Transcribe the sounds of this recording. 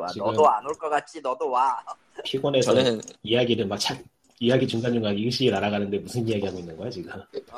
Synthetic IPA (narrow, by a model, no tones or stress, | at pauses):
at͡ɕinʌoanoɭk͈ʌk͈at̚t͡ɕ͈inʌdowa | pʰiɡwʌne̞sʰʌijaɡiɾɯmak̚t͡ɕʰak̚ | ijaɡit͡ɕuŋɡaɲuŋaɡiɯɭɕ͈iɡinaɾaɣanɯnde̞musʰɯnijaɡiɦaɡoinːɯnɡoɦad͡ʑiɡɯ